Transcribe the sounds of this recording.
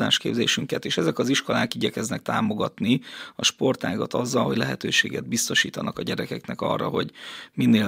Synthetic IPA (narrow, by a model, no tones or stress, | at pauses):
a̰ːʃkḛːbzeːʃyŋkɛt̪eːʃɛzɛkɒziʃko̞laːkiɟɛkɛznɛk̚t̪aːmo̞ɡɒt̪niɒʃpo̞rt̪aːɡɒt̪ɒzːɒlɦo̞ɟlɛɦɛt̪øːʃeːɡɛd̪̚bist̪oʃiːt̪ɒnɒkɒɟɛɾɛkɛknɛkɒ̰rːɒɦo̞ɟminːeː